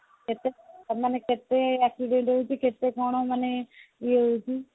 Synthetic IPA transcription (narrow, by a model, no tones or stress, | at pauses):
kɪt̪emənekɪt̪ːeːɛːksiɖẽːɳʈouːd͡ʒiːkɪt̪eːkoːɳõːməneeud͡ʒiː